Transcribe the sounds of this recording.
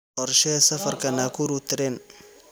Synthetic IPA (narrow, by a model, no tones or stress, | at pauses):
ɔrʃɛsɐfɐrkʰɐnaːkʰuɾut̪ʰɪɾɛn